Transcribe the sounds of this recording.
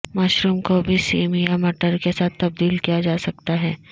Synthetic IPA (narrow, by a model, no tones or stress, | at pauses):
maːʃɾuːmkobʱisiːmijamɐʈəɾkesaːt̪ʰːɐb̚d̪iːlkijad͡ʒaːsɐk̚t̪aɦɛː